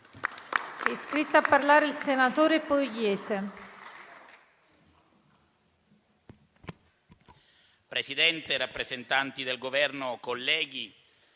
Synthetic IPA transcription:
ɛskɾit̪ːapːarlaːɾeilsenat̪oːɾepoɡjɛːse | pɾesid̪ɛnt̪erapːɾezent̪ant̪id̪elɡovɛrnokolːɛːɡi

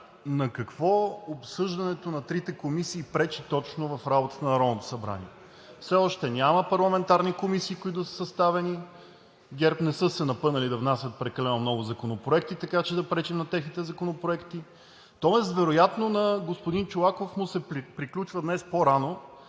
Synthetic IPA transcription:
nɐkɐkvɔopsɤʒd̪ɐnɛt̪onɐt̪ɾit̪ɛkomisiːpɾɛt͡ʃit̪ɔt͡ʃnovɐfɾabot̪ə̥t̪ənɐnɐɾɔd̪not̪o̥sɐbɾa̰nḭɛ | fsɛɔʃt̪ɛnʲaməpɐɾlˠɐmɛnt̪aɾnikomisiːkoit̪ʊsə̥sɐst̪avɛni | ɡʲɛɾpnɛsɤsɛnɐpɤnɐlid̪ɐvnasʲɐt̪̚pɾɛkɐlɛnomnɔɡʊzɐkonopɾoɛkt̪it̪ɐkat͡ʃɛd̪ɐpɾɛt͡ʃimnɐt̪ɛxnit̪ɛzɐkonopɾoɛkt̪i | t̪ɔɛs̬t̪vɛɾojat̪nonɐɡospʊd̪int͡ʃolˠakofmʊsɛpɾiklʲut͡ʃvəd̪nɛspoɾano

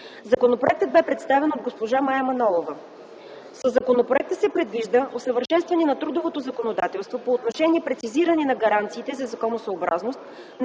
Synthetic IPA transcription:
zɐkonopɾo̰ɛk̚t̪əd̪̚bɛpɾɛt̪st̪avɛnod̪̚ɡospoʒamaɛmɐnɔlˠovə | səzːɐkonopɾoɛk̚t̪əsɛpɾɛd̪viʒd̪əʔosəvəɾʃɛnst̪vɐnɛnɐt̪ɾud̪ovot̪ozɐkonod̪at̪ɛlˠst̪vopoːt̪noʃɛniɛpɾɛt̪siziɾəninɐɡɐɾant̪siːt̪ɛzɐzɐkonosəːbɾa̰znost̪ | n

